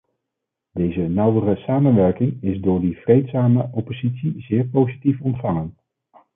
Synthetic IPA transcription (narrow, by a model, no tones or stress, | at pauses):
d̥ejzənʌwərəsaːmənʋɛɹkɪŋɪzdʊːɹdiv̥rejtsaːməʔɔpozitsizɪːɹpowzitifɔntfɑŋən